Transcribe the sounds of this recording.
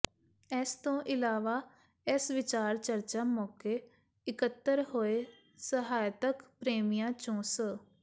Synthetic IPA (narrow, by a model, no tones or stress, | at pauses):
ɛːst̪õːʔɪlaːʋaː | ɛsʋɪt͡ʃaːɾt͡ʃəɾt͡ʃaːmɔːkeː | ɪkət̪ːəɾhoːeː | səɦaːjt̪əkpɾeːmijãːt͡ʃõːsə